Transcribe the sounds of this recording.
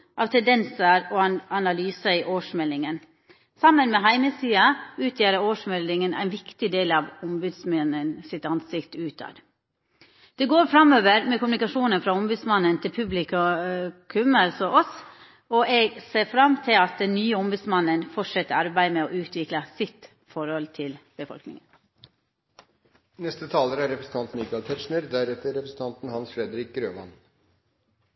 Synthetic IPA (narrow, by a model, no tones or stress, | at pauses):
ʔɑːʋt̪ʰɛnd̪ɛnsəɾɔɑɑnɑlyːsəɪʔoːʂmɛlːɪŋən | sɑmːənmɛɦæɪməsiːɑʉːt̪ʰjæːɾəoːʂmɛlːɪŋənʔæ̰ɪnʋɪkt̪ɪd̪eːlɑʋʊmbʉːd̪smɛnːənsɪt̪ɑnsɪkt̪əʉːt̪ʰɑ̰ːɾ | d̪̥ɛɡoːɾfɾɑmøːʋəɾmɛkʊmnɪkɑʂuːnənfɾɑɔmbʉːd̪smɑnːənt̪ʰɪlpʰʉblɪk | kʰʉmɑlsɔʔɔs | ɔʔɛɡseːɾfɾɑmːt̪ʰɪlɑt̪̚d̪ɛnnyːəɔmbʉːd̪smɑnːənfɔʈʂɛt̪ːəɾɑɾbæɪmɛɔʉːt̪ʰʋɪklɑsɪt̪ | fɔɾhɔlt̪ʰɪlb̥əfɔ̰lknɪ̰ŋən | nɛst̪ət̪ʰɑːləɾæɾɛpɾəsən̩t̪ɑnt̪nɪkɑlt̪ʰɛʂɳəɾd̪æɾɛt̪ːəɾɛpɾəsn̩t̪ʰɑnt̪n̩hɑnsfɾɛd̪əɾɪk̚ɡɾøːʋɑ̰n